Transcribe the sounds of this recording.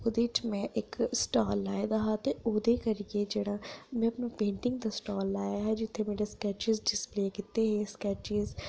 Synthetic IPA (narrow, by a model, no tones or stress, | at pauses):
ʊd̪ɪt͡ʃmẽʔeksʈaːlːaːed̪aɦaːt̪eoːd̪ekɐɾied͡ʒeːɽ̃amɛ̃ɐpnapẽːɳʈɪ̃ŋɡ̚t̪asʈaːlːaːjaɦɛd͡ʒɪt̪ʰːemeːɾeskɛːt͡ʃɪzɖɪspleːkɪt̪eɦɛ̃skɛːt͡ʃɪz